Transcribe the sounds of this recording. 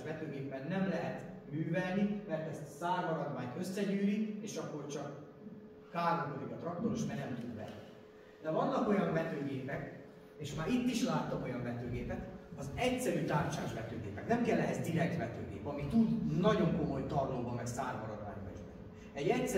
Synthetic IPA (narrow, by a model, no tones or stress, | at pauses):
ʒʋɛt̪øːɡeːpːɛnːɛmlɛɦɛt̪myːvɛlnimɛrt̪ɛst̪saːrmɒɾɒd̪vaːɲt̪ø̞sːɛɟyːlikeːʃɒkːo̞rt͡ʃɒkː | aːrɡomoliɟɒt̪rɒk̚t̪oɾoʃmɛnɛmt̪ud̪vɛ̰nːi | d̪ɛvɒnːɒko̞jɒɱvɛt̪øːɡeːpɛk | eːʃmaːɾit̪ːiʃlaːt̪ːɒmo̞jɒɱvɛt̪øːɡeːpɛt̪ɒzɛcsɛɾyːt̪aːrt͡ʃa̰ːʒvɛt̪øːɡḛːpɛknɛmkɛlːɛɦɛzd̪iɾɛk̚t̪ʋɛt̪ø̰ːɡḛːpɒmit̪ud̪nɒɟo̞ŋko̞mo̞jt̪ɒrloːbɒmɛksaːrmɒɾɒd̪va̰ːɲvɒ̰ɛ̰ni | ɛɟɛcs